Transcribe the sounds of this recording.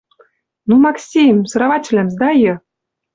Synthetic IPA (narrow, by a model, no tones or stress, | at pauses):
numɑksʲimsɤ̆ɾavɑt͡ɕʲlʲæmzd̪ɑjɤ